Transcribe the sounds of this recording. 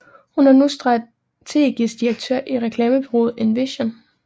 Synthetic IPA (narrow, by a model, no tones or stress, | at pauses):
hunhɑnusd̥ʁɑ | t͡sʰe̝̰ːɡ̥isd̥iɐɡ̥̚t͡sʰø̰ɐ̰ʔiʁɛkʰlɛːməpʰeʁo̝̰ːð̞̩ˠenʋeɕon